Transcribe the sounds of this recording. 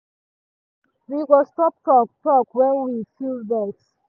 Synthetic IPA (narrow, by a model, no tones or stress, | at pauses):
wiɡɔstɔp̚tɔk̚tɔkwɛ̃nwifildbɛk